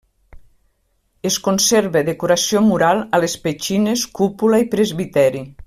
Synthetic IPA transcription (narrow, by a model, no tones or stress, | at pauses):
eskonseɾβeðekuɾasiomuɾalˠalespet͡ʃineskupulaipɾezβit̪ɛɾi